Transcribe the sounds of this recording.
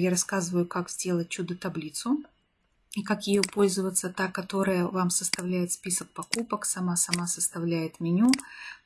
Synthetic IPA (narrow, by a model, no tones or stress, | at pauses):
jaɾɐskazɨvəjʊkakzʲdʲe̞lˠət̚ʲt͡ɕːud̪ət̪ɐblʲit̪sʊ | ikakjɪjopo̞lʲzəvət̪sət̪akɐt̪o̞ɾəjəvamsəst̪ɐvlʲæjɪt̪spʲisək̚pɐkupəksɐmasɐmasəst̪ɐvlʲæjɪt̪mʲɪnʲu